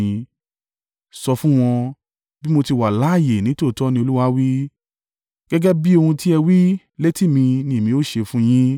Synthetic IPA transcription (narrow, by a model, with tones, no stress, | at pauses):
ĩ˧ | sɔ˧fũ˦w̃ɔ̃˧ | bi˦mo˧ti˧wa˨la˨˦˨je˨nĩ˨˦to˦˨tɔ˦nĩ˧o˧lu˦wa˦wi˦ | ɡ̥ɛ˦ɡɛ˦bi˦o˧hũ˧ti˦ɛ˧wi˦ | le˦ti˦˨mĩ˧nĩ˧˦˨mĩ˨˧o˦˨ʃe˧fũ˦j̃ĩ˦